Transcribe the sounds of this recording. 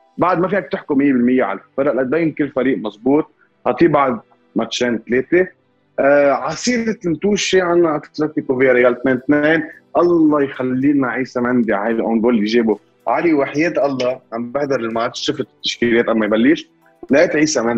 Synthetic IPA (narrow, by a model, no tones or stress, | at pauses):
baʕd̪mafiːak̚t̪ɪħkumɪjːebɪlmɪjːeʕa̰lafɑɾʔʔad̪ajnkɪlːfaɾiːʔmɑsˤbuːt̪̚ | hat̪ˤiːbaʕd̪̚ | mat̪ʃeːnt̪leːt̪e | ʕɑsˤiːɪt̪mt̪uːʃiʕanːaʕat̪ːɪ̥ɾat̪ikuveːɾajaːlt̪neːnt̪neːnʔɑlˤːɑjxalːiːlnaʕiːsamʕɪnd̪iʕa̰hajðlʔonb̪oːlijʒiːbu | ʕaliwaħjeːt̪ʔɑlˤːɑʕambɪhd̪ɑɾˤɪlmat̪ʃɪfɪt̪ɪt̪ːḁʃkileːt̪ʔamːajbalːiːʃ | lʔeːt̪ʕiːsamʕɪnd̪